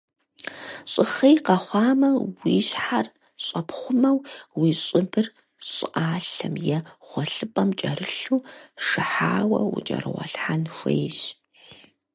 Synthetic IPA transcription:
ɕʼɨχɐjqɐχʷɑːmɐwiːɕħar | ɕʼɐpχʷʊmɐwwiːɕʼɪbɨr | ɕʼɪʔaːɬɐ̰mjɛχʷɔɬɨpʼɐmt͡ʃʼɐrɨɬuːʂɨħaːwɐ̰wʊ̰t͡ʃʼɐ̰ɾɨwɐ̰ɬħanxʷḛjɕ

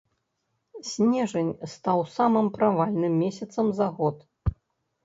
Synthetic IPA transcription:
sʲnʲɛʐɐnʲst̪awsamɨmpɾavalʲnɨmːʲɛsʲɐt̪sɐmzaɣɔt̪

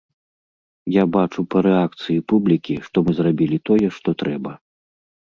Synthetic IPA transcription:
jabat͡ʂupɐɾɛak̚t̪sɨjipublʲikʲiʂt̪ɔmɨzɾabʲilʲit̪ɔjɛʂt̪ɔt̪ɾɛbɐ

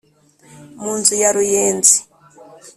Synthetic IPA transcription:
mund͡zujaɾujeːnd͡zi̥

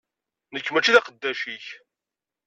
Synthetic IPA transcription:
nəkːmət͡ʃːiðɑqəd̪ːæʃiç

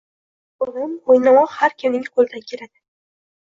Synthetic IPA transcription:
ʊlɪmojnamɒqhaɾkʰʲɪmnɪŋʲqʰolˠd̪akʲʰe̞ɾad̪ɪ̥

